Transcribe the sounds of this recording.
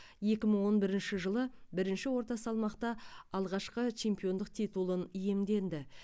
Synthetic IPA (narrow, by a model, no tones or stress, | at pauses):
je̞kʲɪməɴwo̞nbɪɾɪnʃɪʒəlˠəbɪɾɪnʃɪwo̞ɾt̪ɑsɑlˠmɑqt̪ɑɑlˠʁɑʃqət͡ʃʰe̞mpijo̞nd̪əqt̪ʰijt̪ulˠənije̞md̪e̞nd̪ɪ